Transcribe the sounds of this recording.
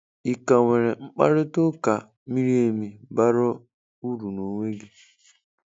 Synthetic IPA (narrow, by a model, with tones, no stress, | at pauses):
i˨ka˨ŋʷe˨ɾe˨ŋ͡m̩˦k͡pa̰˦ɾɪ˦tʊ˦ka˨ | mi˦ɾi˦e˨mi˨ba˦ɾɔ˦ | u˦ɾu˨no˨ŋʷe˦ɡɪ˦